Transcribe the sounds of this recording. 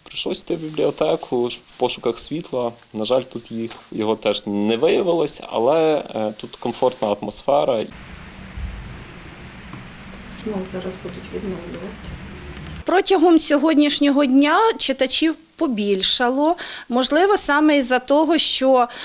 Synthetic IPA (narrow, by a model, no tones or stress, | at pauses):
pɾɪʃlˠɔsʲt̪ɪbʲiblʲiɔt̪ɛkʰʊwpɔʃʊkɐxsʲʋʲit̪lˠɐ | nɐʒɑlʲt̪ut̪jixjɔɦɔt̪ɛʒnɛʋɪjɐʋɪlˠɐsʲɐ̰lˠɛt̪ut̪kɔmfɔrt̪nɐɐt̪mɔsfɛɾɐ | z̥nɔwzɑɾɐzbud̪ʊtʲʋʲid̪nɔwlʲʊʋɐt̪ɪ̥ | pɾɔtʲɐɦɔmsʲɔɦɔdʲnʲiʃnʲɔɦɔdʲnʲat͡ʃet̪ɐt͡ʃʲiw | pɔbʲilʲʃɐlˠɔmɔʒlˠɪʋɔsɑmɛizɐt̪ɔɦɔʃt͡ʃɔ